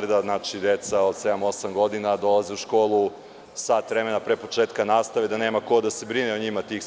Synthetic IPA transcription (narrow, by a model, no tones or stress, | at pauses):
rd̪aznat͡ʃid̪et̪saod̪se̞d̪amo̞samɡo̞d̪inad̪o̞laziuʃko̞ːlˠu | saːt̪ʋɾemenapɾepo̞t͡ʃeːt̪kanaːst̪aʋed̪aneːmako̞d̪ase̞bɾineoɲimat̪iːx